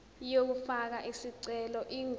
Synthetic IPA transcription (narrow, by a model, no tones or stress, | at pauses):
jok̬ufak̬aʔisiǀɛlɔʔiŋ